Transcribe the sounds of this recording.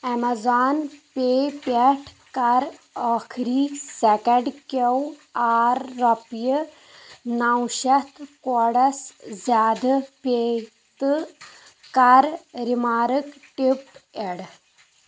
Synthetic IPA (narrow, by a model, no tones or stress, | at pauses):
ɛmazaːnpepɛʈʰ | kaɾəkʰɾiːsɛkəɖkewaːɾːɐpjə | nawɕat̪ʰkɔɽɐszaːd̪ʱpe | t̪ɨ | kaɾɾimaːɾəkʈipeɽ